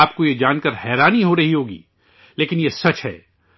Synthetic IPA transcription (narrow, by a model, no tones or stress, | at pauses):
aːp̚kojed͡ʒaːnkəɾhɛːɾaːniɦoɾɐɦiɦoːɡḭː | leːkɪnjesɐt͡ʃɦɛ̰ː